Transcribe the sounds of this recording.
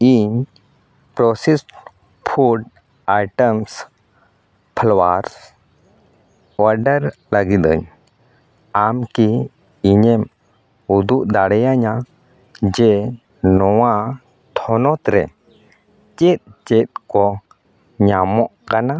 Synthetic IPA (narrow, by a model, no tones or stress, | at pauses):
iɲ | pɾɔsis | pʰuɖ | ajʈəms | pʰəlwaɾs | waɾɖəɾlaɡit̪ə̰ɲ | amkiː | ɲɛm | ud̪uʔd̪aɽɛjaɲa | d͡ʒɛ | nɔwa | t̪ʰɔnɔt̪ɾɛ̰ | t͡ʃɛt̪̚t͡ʃɛt̪̚kɔ | ɲamɔʔkana